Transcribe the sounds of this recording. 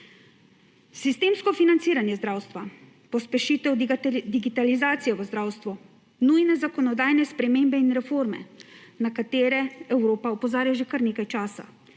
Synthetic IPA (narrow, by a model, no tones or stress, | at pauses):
sist̪eːmskɔfinant̪siːɾanjɛzd̪ɾaːwst̪ʋa | pɔspɛʃit̪ɛwd̪iɡit̪alizaːt̪sijɛʋəzd̪ɾaːwst̪ʋu | nujnɛzakɔnɔd̪aːjnɛspɾɛmeːmbɛinɾɛfoːɾmɛ̰nakat̪eːɾɛɛwɾoːpaɔpɔzaːɾjaʒekaɾneːkajt͡ʃaːsa̰